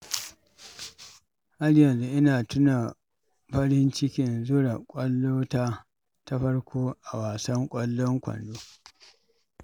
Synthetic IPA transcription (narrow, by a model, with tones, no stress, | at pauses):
ha˦ɽjɐ˨nzu˦ʔɪ˦naː˨tʊ˦na˨ | ɸɐ˦ɽɪ˦nt͡ʃɪ˦kʲɪ˨nzʊ˦ɽa˨kʷʼɐ˦lːoː˦taː˦ | ta˦ɸɐ˦ɽkʷʰoː˦ʔa˨waː˨sɐ˦ŋkʷʼɐ˦lːɔ˦ŋkʷɐ̰˨ndoː˦